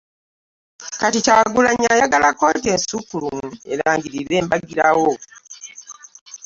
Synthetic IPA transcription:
katicaɡulaɲːajaɡalakot̬ensukulume̞̰laːŋɟiɾiɾe̞ːmbaɡiɾawo

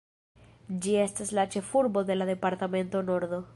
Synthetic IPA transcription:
d͡ʒie̞staslat͡ʃe̞fuɾbo̞d̪e̞lade̞paɾtame̞nto̞no̞ɾd̪o̞

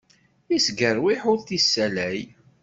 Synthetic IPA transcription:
isɡəɾˤwiħʊɾθisːælæj

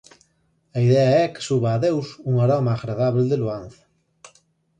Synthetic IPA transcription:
ɐiðɛɐɛkɪ̥suβaːðewsuŋaɾɔmɐaːɣɾaðaβeld̪eluan̟θɐ̥

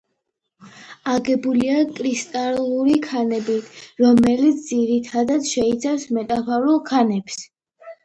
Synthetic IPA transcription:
aɡɛbuliakʼɾist̪ʼaluɾikʰanɛbiɾɔmɛlit̪sʰd̪ziɾit̪ʰad̪ad̪ʃɛit̪sʰafsmɛt̪ʼapʰɔɾulˠkʰanɛps

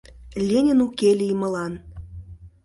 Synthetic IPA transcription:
lʲenʲinukelʲijmə̆lɑn

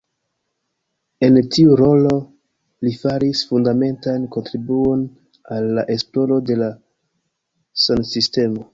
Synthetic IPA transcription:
e̞ntiuɾo̞lo̞ | lifaɾisfundame̞ntanko̞ntɾibuo̞n | alːaʔe̞splo̞lo̞de̞la | sansiste̞mo̞

